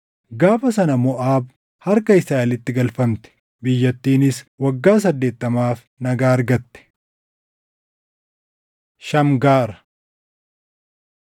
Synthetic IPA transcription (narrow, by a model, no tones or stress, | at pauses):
ɡaːfɐsɐnɐmɔʔaːb | hɐɾkɐɪsaːɪlɪt̪ːɪɡɐlfɐmt̪ɛ̥ | bɪjːɐt̪ːiːnɪswɐɡːaːs̬ɐd̪ːe̞ːt̪ːɐmaːf | nɐɡaːɐɾɡɐt̪ːɛ̥ | ʃɐmɡaːɾɐ̥